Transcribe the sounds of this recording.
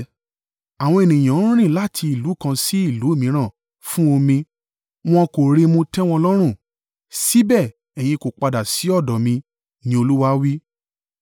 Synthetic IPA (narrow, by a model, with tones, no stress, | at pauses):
a˨w̃ɔ̃˧e˨nĩ˨j̃ã˨˦ɾ̃ĩ˦˨la˦tʰi˧i˨lu˨˦kã˧si˦i˦˨lu˨˦˨mĩ˨˦ɾ̃ã˦˨ | fũ˦o˧mĩ˧ | w̃ɔ̃˧ko˨ɾe˧mũ˧tɛ˦w̃ɔ̃˦˧lɔ˦ɾ̃ũ˦˨ | si˦bɛ˦˨ | ɛ˨j̃ĩ˧ko˨k͡pa˧da˨si˨˦ɔ˦˨dɔ˨mĩ˧ | nĩ˦o˧lu˦wa˦wi˦